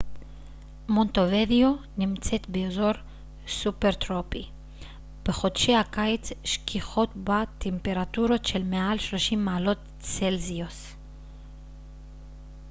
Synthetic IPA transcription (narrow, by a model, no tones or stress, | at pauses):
mont̪ovedionimt͡se̞t̪beozo̞ɾ | supeʁt̪ʁopi | b̥eχo̞d̪ʃehakajit͡sʃkʰiχo̞t̪bat̪ʰempe̞ʁat̪uɾo̞t̪ʃe̞lmealʃloʃimːaːlo̞t̪ | t͡selzios